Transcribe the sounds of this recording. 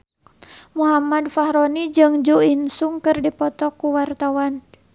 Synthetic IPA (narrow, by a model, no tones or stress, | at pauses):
muɦamadfahɾonid͡ʒɨŋd͡ʒuinsuŋkɨrdipɔt̪ɔkuwart̪awan